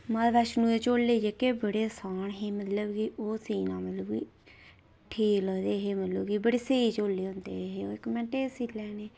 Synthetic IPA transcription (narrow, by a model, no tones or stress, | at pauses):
məlʋɛːʃnũːet͡ʃoːlːeːd͡ʒeːkeːbəɽeːsaːɳɦeːmət̪ləbɡiːʔoːsiːnaːmət̪ləbɡḭː | ʈʰiːkləɡd̪eːɦeːmət̪ləbɡiːbəɽeːseːiːt͡ʃoːlːeːõnd̪ḛːɦeːoɪkmɛ̃ːʈeːsiːlɛːneː